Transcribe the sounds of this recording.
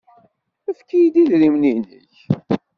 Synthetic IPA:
əfkːijd̪iðɾimninə̰ç

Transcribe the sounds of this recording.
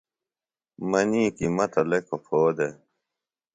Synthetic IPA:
mɐniːkimɐt̪ɐlekʰopʰoːd̪e

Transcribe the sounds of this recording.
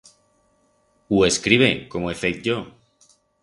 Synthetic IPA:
ueskɾiβekomoefet̪̚ʝo

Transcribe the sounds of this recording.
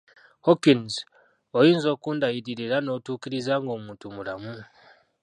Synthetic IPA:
hokinz | ojiːnzo̞ːkuːndajiɾiɾiɾano̞ːtuːkiɾizaːŋɡo̞ːmuːntumulamu

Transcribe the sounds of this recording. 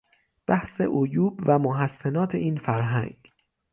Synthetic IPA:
b̥æhse̞̰ʔojuːbvæmoɦæsːenɒːt̪ʰeiːnfæɾɦæ̰ŋɡ

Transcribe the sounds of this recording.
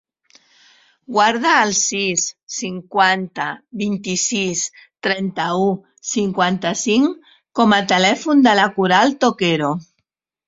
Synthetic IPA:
ɡwaɾðaːlsisːiŋkwant̪aβint̪isist̪ɾɛnt̪au | siŋkwant̪asiŋ | komat̪elɛfund̪elakuɾalt̪okeɾo

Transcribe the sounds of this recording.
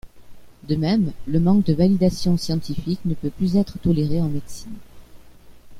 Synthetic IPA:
d̪əmɛmləmɑ̃k̚d̪əvalid̪asjɔ̃sjɑ̃t̪ifiknəpøplyzɛt̪χət̪ɔleʁeɑ̃med̪sin

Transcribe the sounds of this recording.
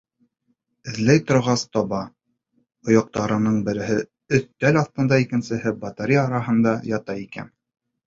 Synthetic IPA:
ɘ̆ðlæjt̪ŏɾʁɑst̪ɒβɑ | ŏjɑ̆q̚t̪ɑɾɤ̆nɤɴbɘ̆ɾɘ̆ɦɘ | ɵθt̪ælɑθt̪ɤ̆nd̪ɑikɘ̆nsɘ̆hɘbɑt̪aɾʲijːɾɑɦɤ̆nd̪ɑjɑt̪ɑikæ̰n

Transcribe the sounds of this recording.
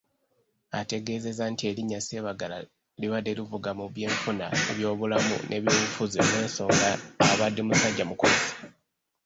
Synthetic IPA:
ate̞ɡe̞ːze̞zantie̞liɲːasie̞ːβaɡala | liβadelivuɡamuβje̞ːɱfuna̰ḛβjo̞ːβulamṵnʔe̞βjo̞ːβufuziomwe̞ːnso̞ːŋɡaːβadːimusaɟːamukusi̥

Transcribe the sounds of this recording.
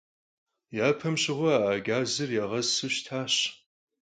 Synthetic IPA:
jaːpʰɐmɕɪʁʷɔaʔaːɡaːzɨrjaːʁɐzsɨɕʃtʰaːɕ

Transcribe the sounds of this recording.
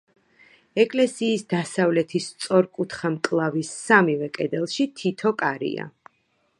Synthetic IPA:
ɛkʼlɛsiːsd̪asavlɛt̪ʰist̪sʼɔɾkʼut̪χamkʼlˠavisːamivɛkʼɛd̪ɛlˠʃit̪ʰit̪ʰɔkʼaɾḭa̰

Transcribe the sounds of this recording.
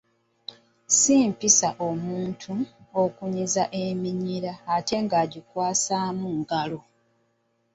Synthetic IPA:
siːmpisaʔomuːntʰuokuɲizaʔe̞miɲiɾaːte̞ŋɡaːɟikwaːsaːmuŋɡalo̞

